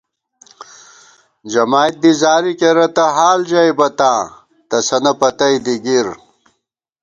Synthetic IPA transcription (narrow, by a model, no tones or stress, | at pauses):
d͡ʑɐmaːjt̪̚d̪izaːɾikeɾɐt̪ɐɦaːld͡ʑɐjbɐt̪ãː | t̪ɐsɐnɐpɐt̪ɐjd̪iɡiɾ